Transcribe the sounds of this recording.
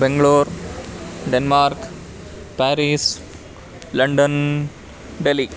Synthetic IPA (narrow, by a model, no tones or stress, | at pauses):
bɛŋɡɭoːɾ | ɖɛnmaːɾk | pæːɾiːs | lɐɳɖən | ɖeli